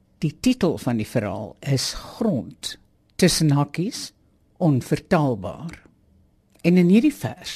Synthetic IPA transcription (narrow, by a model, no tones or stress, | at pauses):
d̥ititəlˠfɐndifəɾɑ̰ːlˠəsχrɔntː | əsənɦɐkis | ʔɔnfərtælˠbɑ̰ːr | ɛnənɦirdifæ̰rs